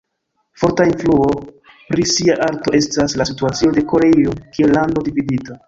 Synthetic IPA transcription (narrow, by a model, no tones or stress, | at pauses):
fo̞ɾtainfluo̞ | pɾisiaʔaɾto̞e̞staslasituat͡sio̞de̞ko̞ɾe̞io̞kie̞lːando̞dividita